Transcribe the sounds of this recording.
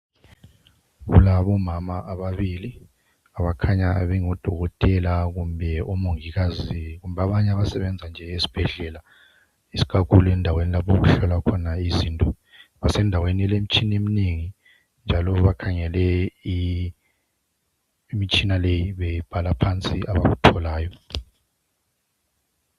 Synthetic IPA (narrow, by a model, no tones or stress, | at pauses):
ɣṵlaβɔmamaʔːβaβili | aβakʰaɲaβɛŋɔd̥ʱɔɣɔtʼɛlaɣumbʱɛɔmoŋiɣaziɣumbʱaβaɲaβasɛβɛnd͡zʱand͡ʒʱɛesi̥b̥ʱɛɮɛːla | isi̥kʰakuluɛndʱawenilapʰoɣuɬɔlakʰɔnaizintʼɔ | βasɛndʱaweniɛlem̩t͡ʃʼinemineŋi | nd͡ʒʱalɔβakʰaŋɛlɛi | mit͡ʃʼinalejiβɛjib̥ʱalapʰant͡sʼiʔaβa̰ɣutʰɔlaːjɔ